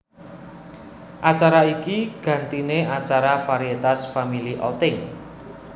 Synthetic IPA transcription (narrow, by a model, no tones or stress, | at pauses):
ʔat͡ʃaɾaikiɡ̥ä̤nt̪ineʔat͡ʃaɾafaɾiet̪asfamiliʔɔ̰t̪ɪŋ